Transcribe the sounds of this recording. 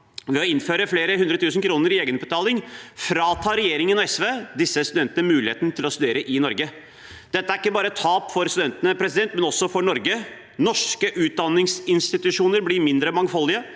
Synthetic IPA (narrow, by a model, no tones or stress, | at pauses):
ʋɛɔɪnføːɾəfleːɾəɦʉnd̪ɾət̪ʰʉːsənkʰɾuːnəɾɪeːɡənbət̪ʰɑːlɪŋfɾɑːt̪ʰɑːɾɛjeːɾɪŋənɑɛsʋeːd̪ɪsːəst̪ʉd̪ɛnt̪ənəmʉːlɪheːt̪nət̪ʰɪlɔst̪ʉd̪eːɾəʔɪnɔɾɡə | d̪̥ɛt̪ːəæɾɪkːəbɑːɾət̪ʰɑːpfɔɾst̪ʉd̪ɛnt̪ənəpʰɾɛsɪd̪ɛnt̪mɛnɔsːɔfɔɳɔɾɡə | nɔʂkəʔʉːt̪̚d̪ɑnːɪŋsɪnst̪ɪt̪ʉʂuːnəɾblɪmɪnd̪ɾəmɑŋfɔlːɪə